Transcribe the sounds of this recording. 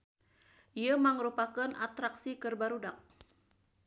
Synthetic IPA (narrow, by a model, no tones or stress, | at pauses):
ʔijaməŋəɾupakənʔa̰t̪ɾaksikərbaɾudak̚